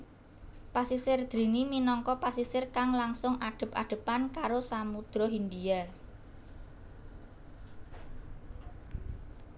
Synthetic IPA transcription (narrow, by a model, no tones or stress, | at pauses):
pasisɪrd̪̥ɾi̤niminɔŋkɔpasisɪrkaŋlaŋsʊŋʔaɖ̪̥ə̤paɖ̥ə̤pankaɾosamud̪̥ɾɔɦind̪ia